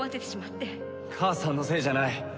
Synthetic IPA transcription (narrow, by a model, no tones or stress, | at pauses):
at̪et̪eɕimat̪ːe̞ | kʰaːsãnːo̞se̞ːʑanai